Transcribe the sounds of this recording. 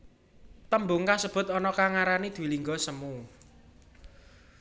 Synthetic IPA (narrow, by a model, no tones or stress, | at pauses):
t̪əmbʊŋkasəb̥ʊ̤t̪̚ɔnɔkaŋaɾanid̪̥ṳwiliŋɡɔsəmu